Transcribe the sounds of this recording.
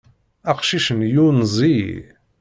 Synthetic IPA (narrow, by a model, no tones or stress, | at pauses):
æqʃiʃənjunzˤi